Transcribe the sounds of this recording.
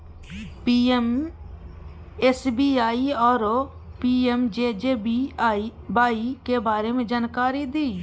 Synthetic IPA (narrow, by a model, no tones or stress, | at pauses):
m | esbiːaːiɔːɾ | piːemd͡ʒeːd͡ʒeːi | baːikebaːɾemẽːd͡ʒaːnkaːɾid̪iː